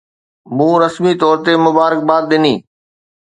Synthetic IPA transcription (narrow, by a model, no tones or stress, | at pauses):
mũːɾəsmit̪ɔːɾt̪emʊbaːɾək̚baːd̪̚ɗ̪ɪniː